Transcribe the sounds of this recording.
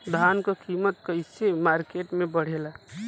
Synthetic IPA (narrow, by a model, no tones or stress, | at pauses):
d̪ʱaːnkəkiːmət̪̚kəɪsemaːɾkeʈmẽbəɽ̤ela